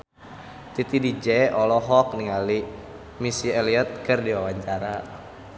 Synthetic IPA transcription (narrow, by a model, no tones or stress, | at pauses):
t̪it̪idid͡ʒɛɔlɔɦɔk̚niŋali | misiɛliɔt̪̚kɨrdiwawaɲt͡ʃaɾa